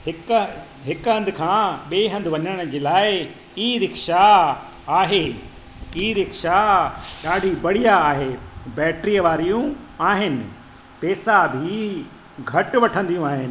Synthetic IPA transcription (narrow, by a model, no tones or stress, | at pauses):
hɪk | ɦɪkɦɐ̃nd̪ʱɪkʰãːɓeːɦɐ̃nd̪ʱɪʋɐɲəɽ̃d͡ʑeːlaːɪ | iɾɪkʃa | aːɦeː | iːɾɪkʃaɗaːɖʱibɐɽijaːɦeːbɛːʈɾijəʋaːɾijũaːɦɪnɪ̆ | pɛːsabʱi | ɡʱɐʈʋɐʈʰə̃nd̪ijũaːɦɪnɪ̆